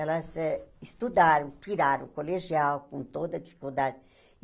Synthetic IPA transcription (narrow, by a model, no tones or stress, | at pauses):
ɛlɐzɛist̪ud̪aɾɐ̃w̃t̪iɾaɾɐ̃koleʒiawkõnt̪od̪ɐd̪ifi̥kuld̪ad̪ɪ